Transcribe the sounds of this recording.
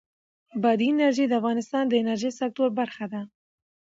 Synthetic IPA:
bad̪ienaɾʒid̪əafɣɑnɪst̪ɑnd̪əɪnaɾʒisak̚t̪oɾbaɾxad̪a

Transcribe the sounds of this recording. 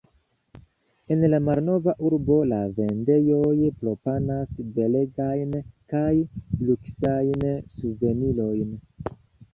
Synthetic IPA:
e̞nlamaɾno̞vaʔuɾbo̞lave̞nde̞jo̞jpɾo̞panasbe̞le̞ɡajnkajluksajnsuve̞nilo̞jn

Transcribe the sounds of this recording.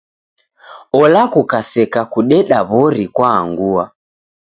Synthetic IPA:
ɔlakukasɛkakuɗɛɗaβɔɾikwaːŋɡua

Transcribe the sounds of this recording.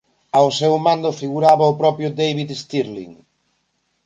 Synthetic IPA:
awsewmãnd̪ʊfiɣuɾaβɐʊpɾɔpɾjʊd̪ejβiðest̪iɾlḭŋ

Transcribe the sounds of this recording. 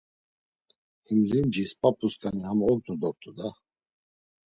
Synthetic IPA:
himlind͡ʒispʼapʰʼuskʼanihamɔɡnud̪ɔɾ̚t̪ʼud̪a

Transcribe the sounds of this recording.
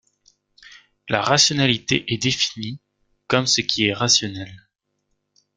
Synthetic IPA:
laʁasjɔnalit̪ḛʔɛd̪efini | kɔmsəkʲʰiɛʁasjɔnɛl

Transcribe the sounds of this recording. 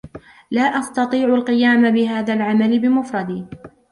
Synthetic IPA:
laːʔɑst̪ɑt̪ˤiːʕʊlqɨjaːmabɪɦaːðaːlʕamalɪbɪmʊfɾˤɑd̪iː

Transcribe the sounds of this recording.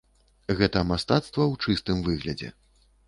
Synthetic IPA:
ɣɛt̪ɐmast̪at̪st̪vɐwt͡ʂɨst̪ɨmvɨɣlʲɐd͡zʲɛ̰

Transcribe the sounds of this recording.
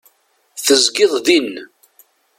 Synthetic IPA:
θəzɡɪðˤðin

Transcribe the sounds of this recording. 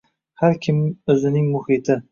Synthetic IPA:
haɾkʲʰɪmɵzɪnɪŋmʊhɪt̪ʰɪ

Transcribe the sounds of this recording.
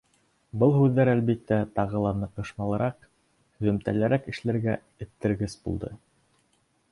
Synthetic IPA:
bɤlˠhʉðːæɾælβit̪ːæt̪ɑʁɤ̆lˠɑnɤ̆qɤ̆ʃmɑlˠɤ̆ɾɑq | hɵ̆ðɵ̆mt̪æ̰læɾækɘ̆ʃlæɾɡæ | ɘ̆t̪ːɘ̆ɾɡɘsbṵlˠd̪ɤ

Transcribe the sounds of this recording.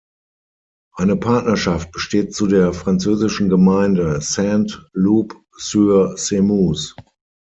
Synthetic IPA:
ʔaɪnəpʰaɐtnɐʃaft̚b̥əʃteːt̚t͡sudeːɐfʁ̥ant͡søːzɪʃn̩ɡəmaɪndəsɛntluːp | syːɐsemuːs

